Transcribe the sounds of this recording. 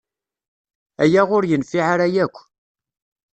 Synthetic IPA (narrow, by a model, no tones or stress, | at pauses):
æjæʁʊɾjənfiʕaɾæjækʷː